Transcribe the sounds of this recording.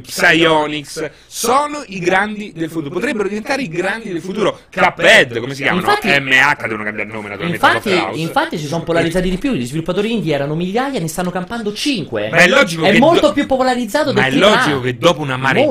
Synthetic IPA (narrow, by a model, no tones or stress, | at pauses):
psajɔniks | sɔːnoʔiɡɾand̪id̪elfut̪uːopot̪ɾebːeɾod̪ivent̪aːɾeiɡɾand̪id̪elfut̪uːɾo | kapːɛd̪komes̬ikja̰miɱanfat̪ːiɛmːeakːd̪ɛvonokambja̰ɾnːo̰ːmḛna̰t̪uɾiɱetfaːiiɱfat̪ːis̬isɔmpolaɾid̪zat̪id̪ipjuʎizvilupːat̪oːɾiind̪iɛːɾanomiʎːajanːest̪anːokampand̪ot͡ʃiŋkwḛmaɛlːɔːd͡ʒikoɛmːolt̪opjupːopolaɾid̪zːaːt̪̬odmeɛlːɔd͡ʒikoked̪ːɔːpounamaɾ